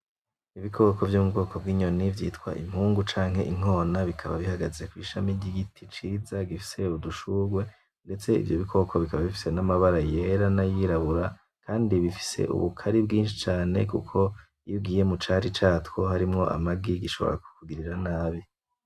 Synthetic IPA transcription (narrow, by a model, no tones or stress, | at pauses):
iβikʰo̞kʰo̞vjomubɡo̞ːkʰo̞b̚ɡiːɲo̞nivjiːtkwa̰ʔḭm̥huːŋɡut͡ʃaːŋ̥he̞ʔiŋ̥ho̞ːnaβikʰaβa̰βihaɡazekwiːʃamiɟiɡitʰit͡ʃiːzaɡifi̥se̞uduʃuɡwe̞ | nde̞t͡se̞ḭvjo̞βikʰo̞kʰo̞βikaβaβifi̥senamaβaɾaje̞ɾanajiɾaβuɾa | kʰaːndiβifi̥se̞̰ʔṵβukʰaɾibɡiːnʃi̥t͡ʃaːne̞̰kṵkʰo̞ | jiɡiːje̞mut͡ʃaːɾit͡ʃaːtwoɦaɾimŋo̞ʔa̰maɡiɡiʃo̞βo̞̰ɾa̰ku̥kuɡiɾiɾanaːβi